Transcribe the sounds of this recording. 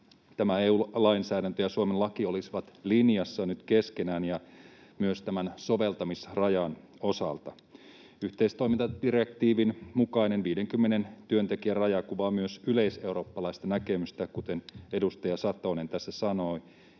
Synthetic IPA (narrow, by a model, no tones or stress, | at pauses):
t̪æmæeulɑinsæːɾænt̪øjɑsuomenlɑkio̞lisiʋɑt̪linjɑsːɑnyt̪keskenæːnjɑ | myøst̪æmænso̞ʋe̞lt̪ɑmisrɑjɑn | o̞sɑ̰lt̪ɑ | yht̪eist̪o̞imint̪ɑd̥irekt̪iːʋinmukɑinenʋiːdeŋkymːene̞nt̪yønt̪e̞kiærɑjɑkuʋɑmyøsyleise̞uro̞ːpːɑlɑist̪ɑnækemyst̪ækut̪e̞nedust̪ɑjɑsɑt̪onent̪æsːæsɑno̞i